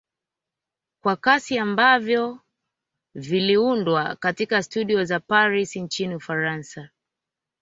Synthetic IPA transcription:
kwakasiambavjɔ | viliundwa̰katikastuɗiɔzapaɾisint͡ʃiniufaɾansa

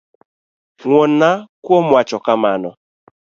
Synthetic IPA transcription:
ŋʷɔn̩nakwomʊat͡ʃɔkamanɔ

